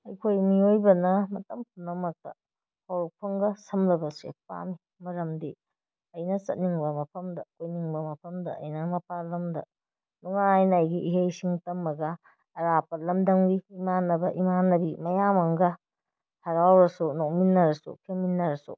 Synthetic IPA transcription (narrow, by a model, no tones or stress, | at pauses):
ɐjkʰojmiojbɐnɐmɐtɐmpʰunːɐmɐk̚tɐ̰ | hawɾuk̚pʰɐŋɡɐsɐmlɐbɐsḛpa̰mi | mɐɾɐmdi | ɐjnɐsɐt̚niŋbɐmɐpʰɐmdɐkojniŋbɐmɐpʰɐmdɐɐ̰jnɐmɐpalɐmdɐ̰ | duŋaajnɐːjɡiʔːɦejsiŋtɐmːɐɡɐː | ɾapɐlɐmdɐŋbiimanːɐbɐʔimanːɐbimɐjamɐŋɡɐ | hɐɾawɾɐsunok̚minːɐɾɐsṵkʰeminːɐɾɐsṵ